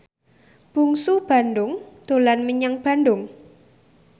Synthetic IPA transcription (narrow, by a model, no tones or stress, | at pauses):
b̥ṳŋsub̥a̤ndʊŋd̪̥o̤lanməɲaŋb̥a̤ndʊŋ